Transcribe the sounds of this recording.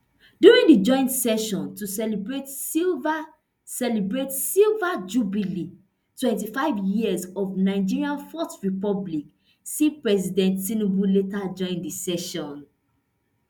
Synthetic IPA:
djuɹĩŋdid͡ʒɔ̃ɪ̃ntsɛʃɔ̃ntusɛlbɹetiva | sɛlibɹetsilvad͡ʒubili | twɛ̃ntifaɪvjizɔvnaɪd͡ʒiɹiãnfɔstɹipɔblik | sipɹɛzidɛ̃ntsĩnubuletad͡ʒɔ̃ɪ̃ndisɛʃɔ̃n

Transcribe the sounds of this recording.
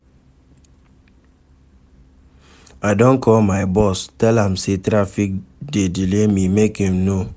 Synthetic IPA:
aɪdɔ̃nkʰɔlmajbɔstɛlãmsetɾafik̚dedilemimekimno

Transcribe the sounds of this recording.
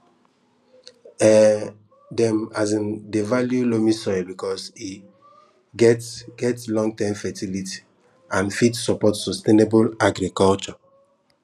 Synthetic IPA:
ɛ | dɛ̃mazĩndevaljulomisɔjbikɔsi | ɡɛtɡ̥ɛtlɔ̃ŋɡ̚tɛmfɛtʰiliti̥ | ãnfitsɔpɔtsɔstenebolaɡɾikɔlt͡ʃɔ

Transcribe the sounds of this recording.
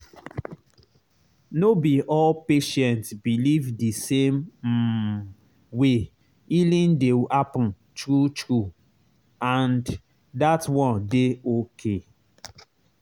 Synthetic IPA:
nobiʔɔlpeʃɛ̃ntsbilivdisẽm | we | ilĩndeapn̩ | tɾutɾu | ãnd | datwɔ̃ndeokʰe

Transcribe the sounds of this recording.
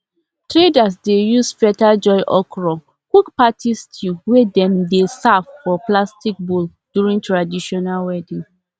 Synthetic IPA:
tɹedas̬dejusfɛtald͡ʒɔɪʔɔkɹɔ | kukpatʰistʰjuwedɛ̃mdesavfɔplastik̚bul | d̥juɹĩŋtɹadiʃɔnalwɛdĩŋ

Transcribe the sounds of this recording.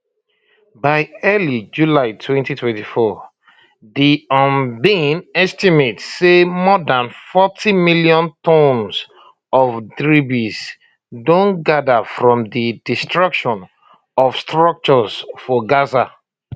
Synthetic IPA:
baɪɛlid͡ʒulaɪtʰwɛ̃ntitʰwɛ̃ntifɔ | diɔ̃nbĩnɛstimetsemɔdãnfɔtʰimiljɔ̃ntɔ̃ns | ɔvdɹibiz | dõnɡadafɹɔ̃mdidistɹakʃɔ̃n | ɔfstɹɔk̚t͡ʃɔzfɔɡaza

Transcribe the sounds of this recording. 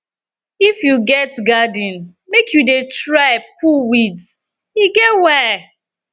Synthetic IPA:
ifjuɡɛtɡadĩn | mekʰjudetɹaɪpʰuwit | iɡɛtwɛ

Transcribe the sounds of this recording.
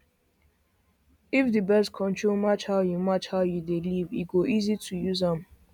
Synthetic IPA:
ifdibɛskʰɔ̃ntʰɹomat͡ʃhaʊjumat͡ʃhaʊjudeliviɡoʔizitʰujuzãm

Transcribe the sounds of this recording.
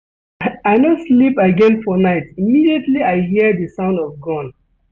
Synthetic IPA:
aɪnɔslipaɡɛ̃nfɔnaɪtimidietliaɪɦidəsãʊ̃ndɔvɡɔ̃n

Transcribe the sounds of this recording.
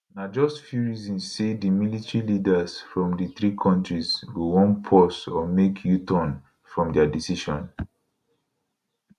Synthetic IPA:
nad͡ʒɔstfjuɹizĩnːedimilitɹilidazfɹɔ̃mdiθɹikʰɔ̃ntɹizɡowɔ̃npʰɔsɔmekʰjutɔ̃n | fɹɔ̃mdɛadisiʃɔ̃n

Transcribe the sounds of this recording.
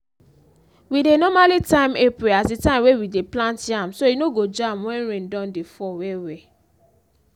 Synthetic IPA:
widenɔmalitãɪ̃mepɹeasdetãɪ̃mwewideplãntãmsoinoɡod͡ʒãmwɛ̃nɹẽndɔ̃ndefɔwɛwɛ

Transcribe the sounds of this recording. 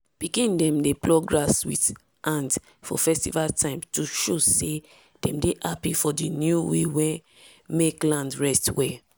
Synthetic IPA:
pikĩndɛ̃mdeplɔɡɹaswḭt | ʔãnt | fɔ̰fɛstivaltʰãɪ̃mtuʃose | d̥ɛ̃mdeʔapifɔdinjuwewɛ̃ | meklãndɹɛstwɛ

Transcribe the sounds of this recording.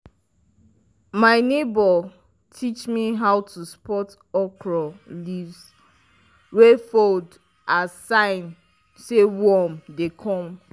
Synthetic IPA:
maɪnebɔ | tʰit͡ʃmiɦawtuspɔt | ɔkɹɔlivs | wefold | asãɪn | sewɔmdekʰɔ̃m

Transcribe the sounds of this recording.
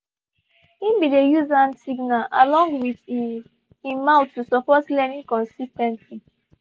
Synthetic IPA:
ĩnbidejuzãnsiɡnala̰lɔ̃ŋɡwið | imaʊtːusɔpɔtlɛnĩŋkɔ̃nsistɛ̃ntli

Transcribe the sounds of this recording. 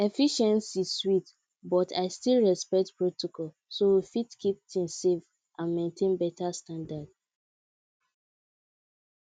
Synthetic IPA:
efiʃɛ̃nsiswit | bɔtʰa̰ɪstilɹɛspɛk̚tpɹotokɔl | sowifitkʰip̚tʰĩnsev | ʔãnmẽntʰẽnbɛtastãndad̥

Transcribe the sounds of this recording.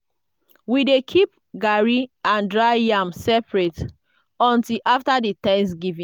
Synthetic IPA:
widekʰip̚ | ɡaɹiãndɹajãmsɛpɹet | ɔ̃ntilʔaftaditɛ̃nsɡivĩ

